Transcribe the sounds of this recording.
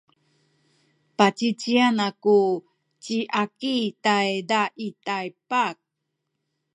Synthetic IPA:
pat͡ɕit͡ɕianaku | t͡ɕiʔakitajdaʔitajpak̚

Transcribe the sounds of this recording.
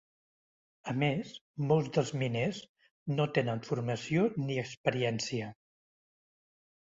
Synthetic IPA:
əmezmolˠzd̪əlˠzminez | not̪enənfuɾməsioniəkspəɾiɛnsiə

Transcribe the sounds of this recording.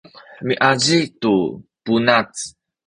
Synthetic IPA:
ħəmiʔaʑitupunat͡s

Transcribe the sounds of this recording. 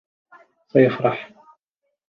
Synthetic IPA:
sajɪfɾˤɑħ

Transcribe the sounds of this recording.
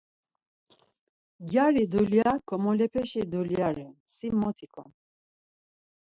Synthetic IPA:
ɡjaɾid̪uljakʰɔmɔlɛpʰɛʃid̪uljaɾɛ | simːɔt̪ʰikʰɔ̰n

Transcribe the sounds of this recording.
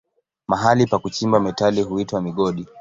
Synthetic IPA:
maɦalipakut͡ʃimbamɛtaliɦuitwamiɠɔɗi

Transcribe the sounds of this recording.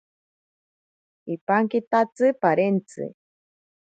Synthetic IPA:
ipaŋkit̪at͡sɨpaɾent͡sɨ̰

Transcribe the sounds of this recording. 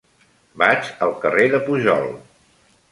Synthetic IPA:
bat͡ʃəlˠkəreðəpuʒɔ̰lˠ

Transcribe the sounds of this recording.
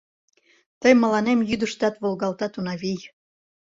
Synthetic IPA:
t̪əjmə̆lɑnemjyd̪əʃt̪ɑt̪βolɣɑlt̪ɑt̪unɑβij

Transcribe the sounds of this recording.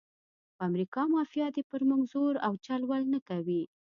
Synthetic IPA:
pamɾikɑmɑfijɑd̪epəɾmʊɡzoɾawt͡ʃalwalnakawi

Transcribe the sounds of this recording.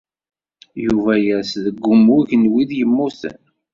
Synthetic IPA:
juvæjæsðəɡʷːʊmʊʝnwiðjəmːuθə̰n

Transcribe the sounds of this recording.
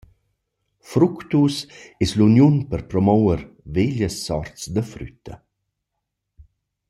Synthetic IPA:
fɾukt̪usɛslunjunpərpɾɔmɔwəɾveʎəsːɔɾt͡sd̪əfɾy̰t̪ʰːə̰

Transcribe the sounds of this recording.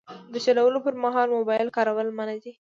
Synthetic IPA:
d̪ət͡ʃalawəlopəɾmɑɦɑlmobɑɪlkɑɾawəlmanad̪i

